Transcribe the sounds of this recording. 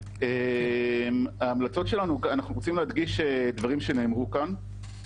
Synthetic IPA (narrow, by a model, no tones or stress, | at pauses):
e | maːmlat͡so̞tʃe̞lanuanaχnuʁot͡simleɦad̪ɡiʃed̪vaʁimʃeneːmʁukan